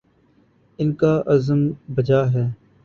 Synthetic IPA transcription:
ɪnkaːʔɐzəmbɐd͡ʒaːɦɛː

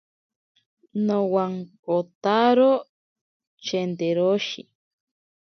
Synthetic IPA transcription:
nõwaŋkot̪aɾo | t͡ʃend̪eɾoʃḭ

